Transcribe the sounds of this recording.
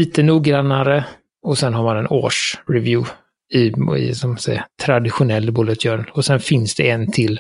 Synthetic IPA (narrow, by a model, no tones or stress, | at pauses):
iːt̪ənuːɡɾanːaɾə | ɔsɛnɦaɾmanɛno̰ːʂɾɛvjʉː | ɪɪ̰sɔmasɛ̰jat̪ʰɾad̪ɪɧʊnɛlːbulət̪ʰjœːɾənɔsɛnfɪnsd̪ɛɛnt̪ʰɪlː